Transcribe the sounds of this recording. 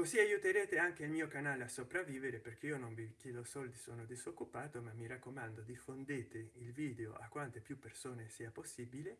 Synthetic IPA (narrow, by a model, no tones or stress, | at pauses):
koziajut̪eɾeːt̪eaŋk̟eilmiːokanaːleasopɾavːiːveɾeperkeiononvikjeːd̪osɔld̪isoːnod̪izokːupaːt̪omamːiɾakːomand̪od̪ifːond̪eːt̪eilviːd̪eo̰ʔa̰kːwant̪epjupːersoːnesiːaposːibile